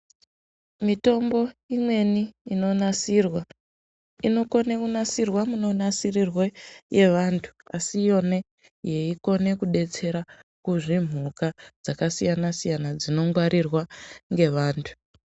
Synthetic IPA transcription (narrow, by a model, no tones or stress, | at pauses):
mito̞mbo̞imwe̞niːno̞narwa | ino̞ko̞nekunasirwamuno̞nasirirweje̞ʋantʰu̥asijo̞ne̞ | je̞iko̞ne̞kuɗe̞t͡se̞ɾakuʐim̤ukad͡zakasijanasijanad͡zino̞ŋɡwaɾʔirwaŋɡe̞ʋaːntʰu̥